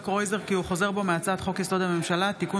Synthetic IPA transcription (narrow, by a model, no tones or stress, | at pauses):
kʁo̞jze̞ʁkiuχo̞ze̞ʁbo̞meat͡sad̪χo̞kjist̪o̞d̪hame̞mʃalat̪iku